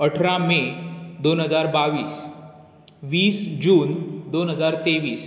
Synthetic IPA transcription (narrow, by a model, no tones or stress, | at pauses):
əʈʰɾãmed̪onɦəd͡zaɾbaʋiːs | ʋiːsd͡ʑuːnd̪onɦəd͡zaɾt̪eʋiːs